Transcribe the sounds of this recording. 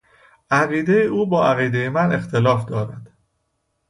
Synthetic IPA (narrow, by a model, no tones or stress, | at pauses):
ʔæɣiːd̪e̞jeʔuːbɒːæɣiːd̪ejemæne̞xt̪ʰelɒːfd̪ɒːɾæd̪̥